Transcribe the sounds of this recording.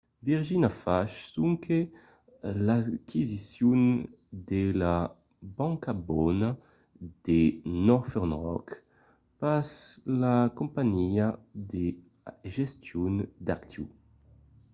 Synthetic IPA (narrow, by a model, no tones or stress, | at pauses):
viʁʒinafaʃsuŋkʰe | lakʰizisjun | d̪ela | bãŋkabɔna | d̪̥enɔʁfɛʁnʁɔ̰k | paslakumpaɲiad̪e | ʒest̪jund̪akt̪ʰjṵ